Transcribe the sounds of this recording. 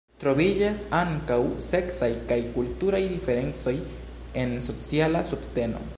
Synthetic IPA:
t̪ɾo̞βid͡ʒasaŋkawse̞ksajkajkultuɾajd̪ifeɾe̞nt͡so̞j | enso̞t͡sialasubt̪e̞no̞̰

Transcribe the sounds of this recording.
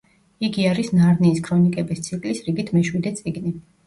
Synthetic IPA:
iɡiaɾisnaɾniːskʰɾɔnikʼɛbist̪sʰikʼlisɾiɡit̪ʰmɛʃwid̪ɛt̪sʼiɡni

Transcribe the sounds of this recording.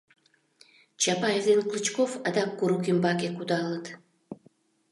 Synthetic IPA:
t͡ɕɑpɑezenklˠɨt͡ɕkofɑd̪ɑkːuɾukimbɑkekud̪ɑlˠət̪

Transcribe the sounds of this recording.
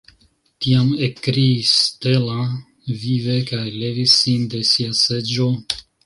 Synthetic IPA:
t̪iamekɾiːst̪ela | vivekajlevisːind̪esiased͡ʒo

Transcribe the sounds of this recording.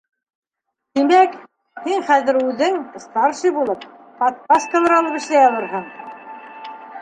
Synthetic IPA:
t̪imæk | hiɴχæðɘ̆ɾʉðɘŋst̪ɑɾʃɤjbulˠɤp̚ | pɑt̪̚pɑskɑlˠɤɾɑlˠɤpɘ̆ʃlæjɑlˠɤɾɦɤɴ

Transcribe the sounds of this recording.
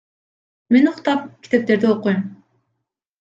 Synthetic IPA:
menuqt̪ɑp̚kʲi̥t̪e̞p̚t̪e̞ɾd̪ioqːujm

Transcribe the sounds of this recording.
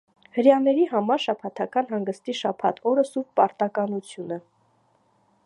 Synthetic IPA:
həɾjɑnɛɾiɦɑmɑɾʃɑpʰɑt̪ʰɑkɑnɦɑŋɡəst̪iʃɑpʰɑ̰t̪ʰɔɾəsuppɑɾt̪ɑkɑnut͡sʰjunə

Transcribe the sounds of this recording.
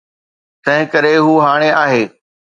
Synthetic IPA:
t̪ɐ̃ɦɪ̃kɐɾeɦuːɦaːɽ̃eaːɦeː

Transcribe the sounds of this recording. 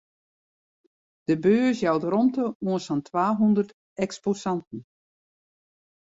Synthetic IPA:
d̥əbøːəsjawtrɔmtəuənsɔntʰwaːɦundərt | ɛksposɑntn̩

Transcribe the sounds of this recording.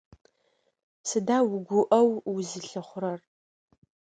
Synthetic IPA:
sɨdaːwɡʷʊʔɐwwʊzɨɬɨχʷʊɾɐr

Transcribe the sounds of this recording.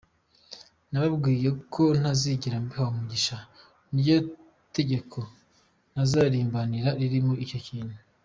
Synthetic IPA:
naβabɡiːje̞kʰo̞n̥aziɟiɾambihawamuɟiʃa | nijo | te̞ɟe̞kʰo̞ | n̥azaːɾiːmbaniɾaɾiɾimoʔico̞ciːnhu

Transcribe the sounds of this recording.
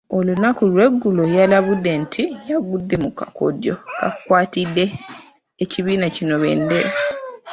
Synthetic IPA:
o̞lunakulwe̞ɡːulojalaβudːe̞ntʰijaɡudːe̞muka̰ko̰djo̞ka̰kkwaːtidːe̞ː | ciβiːnacino̞βḛnde

